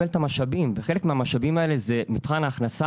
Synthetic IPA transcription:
elt̪amaʃabimveχe̞lekmeamaʃabimae̞lezemifχanaːχnasa

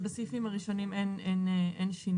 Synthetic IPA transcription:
basifimaʁiʃo̞nimenʔenʔʔenʃin

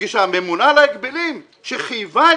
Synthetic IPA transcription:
iʃamemunalaekbelim | ʃeχiva

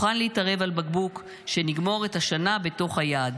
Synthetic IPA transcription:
χanleitaʁe̞valbaɡbuk | ʃe̞niɡmo̞ʁe̞taʃanabe̞to̞χhajaːd

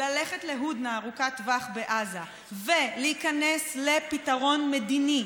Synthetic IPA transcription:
laleχetleɦud̪naːʁukatvaχbeʔaza | veleikanesle̞pitaʁo̞nmedini

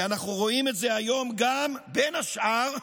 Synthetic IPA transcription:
anaχnuʁo̞ime̞tze̞ajo̞mɡambe̞naʃʔaʁ

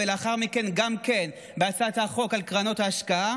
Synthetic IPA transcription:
elaχaʁmike̞nɡamken | beat͡saat̪haχo̞kalkʁano̞thaːʃkaa

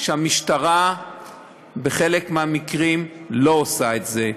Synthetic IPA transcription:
ʃeamiʃtaʁa | be̞χe̞lekmeamikʁimlo̞osaetze̞

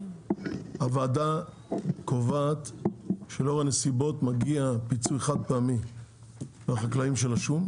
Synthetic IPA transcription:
havaːda | kovat̪ʃeloʁanesibo̞t̪maɡiapit͡sueχad̪̚peami | veaχaklaimʃe̞laʃum

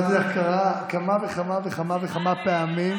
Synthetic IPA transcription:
zeakaʁakamaveχamaveχamaveχamapeamim

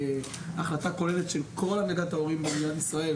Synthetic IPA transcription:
aχlatako̞leletʃelkʰo̞lanaɡat̪hao̞ʁimbeniljanisʁae̞l

